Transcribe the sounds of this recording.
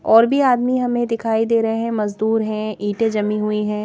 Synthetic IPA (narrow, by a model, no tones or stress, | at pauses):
ɔːɾbʱiaːd̪miɦɐmẽd̪ɪkʰaːid̪eːɾɐɦeɦɛ̃mɐzd̪uːɾɦɛ̃iːʈẽd͡ʒɐmiɦʊiɦɛ̃ː